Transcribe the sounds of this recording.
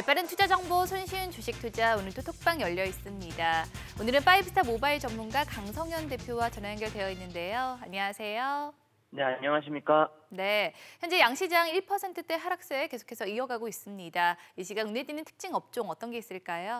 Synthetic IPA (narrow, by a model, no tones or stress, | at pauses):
ep͈aɾɯntʰud͡ʑad͡ʑʌŋbosʰonɕʰiɯnt͡ɕuɕʰik̚tʰud͡ʑaonɯɭtʰotʰok̚p͈aŋjʌʎːʌis͈ɯmɲidaonɯɾɯnp͈aipʰɯ̥tʰamobaiɭt͡ɕʌmmunɡakaŋsʰʌŋjʌnde̞pʰjowat͡ɕʌnaanɡjʌɭdwe̞jʌinːɯnde̞joaɲiŋasʰe̞jo | neaɲʌŋaɕ̬ʰimɲik͈ane̞çjʌnd͡ʑe̞jaŋɕʰid͡ʑaŋiɭpʰʌsʰe̞ntʰɯt͈e̞ɦaɾak̚s͈eeke̞sʰo̥kʰe̞sʰʌiʌɡaɡois͈ɯmɲidaiɕʰiɡanoneɭt͈inɯntʰɯ̥k̚t͡ɕ͈iŋʌp̚t͡ɕ͈oŋʌt͈ʌnɡe̞is͈ɯɭk͈ajo